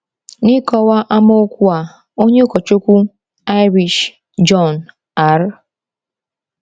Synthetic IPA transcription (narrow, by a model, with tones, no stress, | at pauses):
ni˦kɔ˦wa˦ʔa˦mo˦kʷu˦a˨ | o˦ɲe˦o˦kɔ˨t͡ʃo˦kʷu˦ | a˦ɪ˦ɾi˨ʃ | d͡ʒɔ˦˨n | a˨˦ɾ